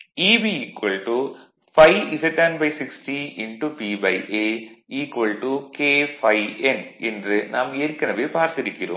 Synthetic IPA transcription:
iːbiikʋɐɭʈu | fɐjiseʈːɐnbɐjsiksʈiinʈupibɐjʔeːiːkʋɐlʈukeːfɐjenendrɨnaːmeːɾkːɐnɐʋepaːrt̪ɐɾikʲːɐɾṵ

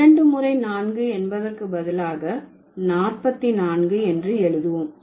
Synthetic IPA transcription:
ɐɳɖɯmʊrɐɪnaːnɡɯɛnbɐðɐrkɯbɐðɪlaːɣɐ | naːrpɐt̪ːinaːnɡɯɛndrɯɛɻɯðɯʋɯm

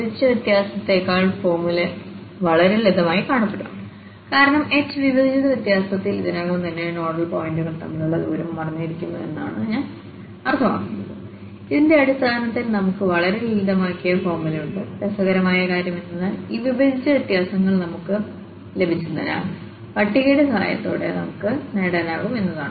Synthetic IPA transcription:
bd̪it͡ɕːɐʋjet̪jaːsɐt̪ːe̞ːkːaːɭfo̞ːrmilɐ | ʋɐɭɐɾelid̪ʱɐmaːjikaːɳɐpːeɽuɐ̰m | kaːɾɐɳɐme̞tːɨʋibɐd̪ʱit͡ɕːɐðɐʋjet̪jaːsɐt̪ːiliðɐnaːɣɐmt̪ɐnːenoːɖɐlpoːjndɨɣɐɭt̪ɐ̰mːɐluɭːɐðoːɾɐmːɐrɐɲːujiɾikʲːunːɐðe̞̰nːa̰ːɳɨɲaːn | ɐrt̪ʰːɐma̰ːkːunːɐ̰ðɨ | iðinde̞ɐɽust̪aːnɐt̪ːilnɐmukːɨʋɐɭɐɾelild̪ɐmaːkːijɐfo̞ːrmɐluɳɖɨd̪ɐsɐɣɐɾɐmaːjɐkaːɾjɐmenːɐnːɐiːʋibʱɐd̪it͡ɕːɐʋɐt̪ːjaːsɐŋːɐɭnɐmukːɨ | le̞bʱit͡ɕːunːɐ̰la̰ːm | pɐʈːiɣeːɽɨsʰa̰ːjɐ̰t̪ːo̰ːɽe̞̰nɐ̰mukːɨneɽɐːnaːɣume̞nːɐða̰ːɳɨ

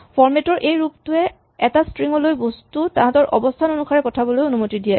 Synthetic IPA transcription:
fɔɹmɛtɔɹʔejɹup̚tʊɛ | ɛtastɹiŋɔlojbostutãɦtɔɹʔɔ̰bɔstʰanonukʰaɹɛkɔtʰabɔlojonumotidijɛ

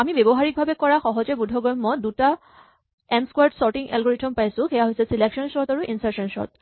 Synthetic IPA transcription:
amibebɔɦaɹik̚bʱabɛkɔɹaxɔɦɔzɛbudʱɔɡɹɔmːɔduta | ɛnskwaɹdsɔɹʈiŋʔɛ̰lɡɔɹitʰɔmpajsʊ̃xɛjaɦojsɛsileksɔnsɔɹtaɹuʔinsaɹsɔnsɔ̰ɹt̚

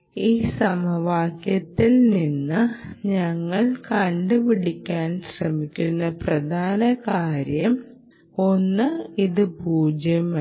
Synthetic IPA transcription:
iːsɐmɐʋaːkjɐt̪ːilninːɨɲɐŋːɐɭkɐɳɖɨpiɽikʲːaːnɕrɐmikʲːunːɐprɐd̪ʱaːnɐkaːɾjɐm | o̞nːɨiðɨpuːd͡ʑjɐm

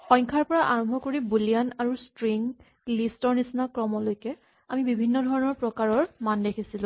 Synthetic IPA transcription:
xɔ̃jŋkʰaɹpɔɹaʔaɹɔmbʱɔkoɹibulijanaɹustɹiŋ | listɔɹnisnakɹɔmɔlojkɛ | amibibʱinːɔdʱɔɹɔnɔɹpɹɔkaɹɔɹmandekʰisilʊ̃

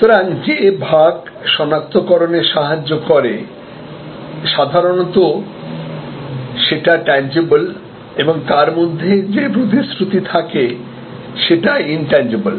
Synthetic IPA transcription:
ut̪oɾaŋd͡ʑebʱaɡ | ʃɔnak̚t̪okɔɾoneʃaɦad͡ʑːokoɾe | ʃad̪ʱaɾonot̪o | ʃeʈaʈɛnd͡ʑibol | eboŋt̪aɾmod̪ʱːed͡ʑebɾud̪ʱisɾut̪it̪ʰake | ʃeʈainʈɛnd͡ʑibol

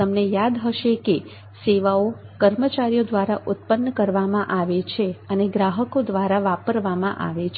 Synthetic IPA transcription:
əmnejad̪ɦəʃeke | seʋaokəɾmət͡ʃaɾijod̪ʋaɾaʔʊt̪̚pənːəkəɾʋamãʔaʋet͡ʃʰeəneɡɾaɦəkod̪ʋaɾaʋapəɾʋamãʔa̰ʋet͡ʃʰ

